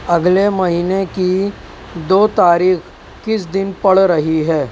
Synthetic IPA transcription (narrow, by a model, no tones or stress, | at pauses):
ɐɡlemɐɦiːneki | d̪oːt̪aːɾiːx | kɪs̬d̪ɪnpɐɽɾɐɦiɦɛː